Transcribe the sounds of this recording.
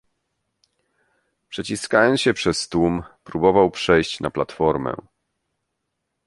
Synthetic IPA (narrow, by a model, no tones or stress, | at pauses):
pʂɛt͡ɕiskajɔnsɕɛpʂɛst̪umpɾubɔvawpʂɛjɕt͡ɕna̰plat̪fɔɾmɛ̰